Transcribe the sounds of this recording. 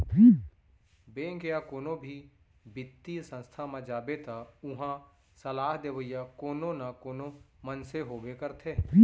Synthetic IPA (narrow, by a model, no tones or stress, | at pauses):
beːɡejakoːnõbʱi | bɪt̪ːisə̃nst̪ʰamãd͡ʒaːbet̪aʊɦã | səlaːɦd̪eʋəjakoːnõnakoːnomənseɦoːbekəɾt̪ʰeː